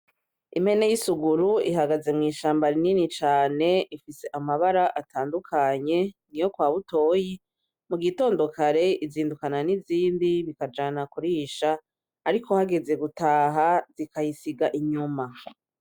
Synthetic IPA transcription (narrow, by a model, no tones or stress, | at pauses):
ḭme̞ne̞jisuɡuɾuḭɦaɡaze̞mŋiːʃaːmbaɾininit͡ʃaːne̞ʔifise̞ʔamaβaɾaʔatʰaːndukʰaɲe̞nijo̞kwaːβuto̞ːji | muɡito̞ːndo̞kʰaɾe̞iziːndukananiziːndiβikad͡ʒaːnakuɾiːʃaː | ɾikʰo̞haɡe̞ze̞ɡutaːɦaz̥ikajisiɡaʔiɲuma